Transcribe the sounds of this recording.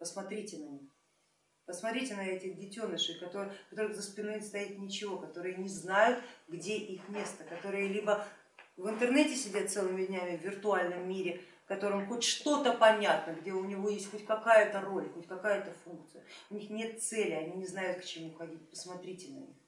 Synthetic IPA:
pəsmɐt̪ɾʲitʲɪnɐnʲix | pəsmɐt̪ɾʲitʲɪnɐɛtʲɪɣdʲɪtʲo̞nəʂɨkɐt̪oɾkɐt̪o̞ɾɨɣzəspʲɪnost̪ɐjit̪nʲɪt͡ɕɪvo̞kɐt̪o̞ɾɨjənʲɪznajʊt̪ɡdʲeʔixmʲe̞st̪əkɐt̪o̞ɾɨjəlʲibə | vɨnt̪ɨrnɛtʲɪsʲɪdʲat̪t̪sɛlˠɨmʲɪdʲnʲamʲɪvʲvʲɪrt̪ʊalʲnəmːʲiɾʲɪfkɐt̪o̞ɾɨmxo̞tʲʂt̪o̞t̪əpɐnʲat̪nəɡdʲe̞ʊnʲɪvo̞jesʲtʲxo̞tʲkɐkajʊt̪əro̞lʲxo̞tʲkɐkajət̪əfunk̚t̪sɨjəʊnʲixnʲe̞t̪̚t̪sɛlʲɪɐnʲinʲɪznajʊt̪kt͡ɕɪmuxɐdʲit̚ʲpə̥smɐt̪ɾʲitʲɪnɐ̰nʲḭx

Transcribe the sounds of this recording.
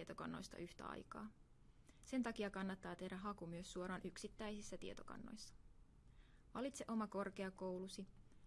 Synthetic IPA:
et̪okɑ̰nːo̞̰jst̪ɑ̰ʔyht̪æ̰ɑ̰jkɑ̰ː | se̞nt̪ɑkiɑkɑnːɑt̪ːɑːt̪e̞hdæɦɑkumyøsːuoɾɑːnʔyksit̪ːæjsisːæt̪iet̪o̞kɑ̰nːo̞̰jsːɑ̥ | ʋɑlit̪seʔo̞mɑko̞rkeɑko̞wlusi

